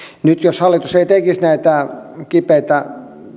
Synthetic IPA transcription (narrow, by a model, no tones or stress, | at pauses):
nyt̪joshɑlːit̪useit̪ekisnæit̪ækipeit̪æ